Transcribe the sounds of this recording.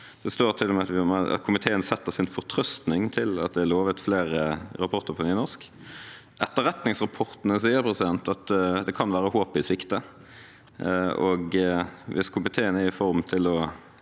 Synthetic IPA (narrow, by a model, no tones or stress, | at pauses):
d̪̥ɛst̪oːɾt̪ʰɪlːɔmɛɑt̪ʋɪmɛɑ̰t̪kʰʊmɪt̪ʰeːənsɛt̪ːəʁsɪnfɔʁt̪ʰɾœst̪nɪŋt̪ʰɪlɑ̰t̪̚d̪ɛæɾloːʋət̪fleːɾəɾɑpʰɔɾt̪əɾpʰɔnyːnɔʁʂk | ʔɛt̪ːəɾɛt̪nɪŋsʁɑpʰɔɾt̪nəsiːəɾpʰɾɛsɪd̪ɛnt̪ɑt̪d̪ɛkʰɑnʋæːɾəhoːpɪsɪkt̪ə | ɔɡʋʔɪskʰʊmɪt̪ʰeːənəɪfɔɾmt̪ʰɪlɔ